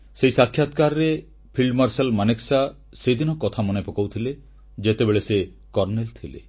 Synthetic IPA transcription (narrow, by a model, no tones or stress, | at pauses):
seisakʰːjat̪kaɾɾe | pʰilmaɾselmaneksa | sed̪inɔkɔt̪ʰamɔnepɔkawt̪ʰile | d͡ʒet̪ebeɭese | kɔɾnelt̪ʰilḛ